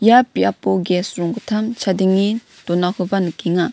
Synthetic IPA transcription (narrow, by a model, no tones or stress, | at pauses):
japiapoɡɛsɾɔŋkɯt̪ʰamt͡ʃʰad̪iŋi | t̪onakʰɯbanɯkiŋa